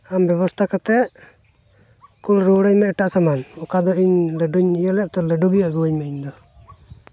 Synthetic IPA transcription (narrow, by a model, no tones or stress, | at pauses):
ambjɛβɔst̪ʰakat̪ɛʔ | kulɾuɽəɲmɛɛʈaʔsamanɔkad̪ɔiɲləɖuɲijəlɛʔt̪ɔləɖuɡijaʔɡuwəɲmɛiɲd̪ɔ